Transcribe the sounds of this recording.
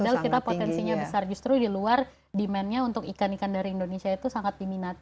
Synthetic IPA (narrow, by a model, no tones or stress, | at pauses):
dalkit̪apot̪ɛnsiɲabəsard͡ʒust̪ɾudiluar | dimɛnɲaunt̪ʊkikanikandaɾiindonesiait̪usaŋat̪̚diminat̪̚